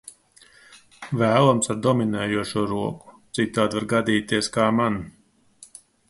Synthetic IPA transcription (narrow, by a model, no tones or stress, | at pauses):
væːlˠɔmsaɾd̪ɔminɛːjuɔʃuɔɾuɔku̥t̪sit̪ːaːd̪vaɾɡad̪iːt̪iɛskaːman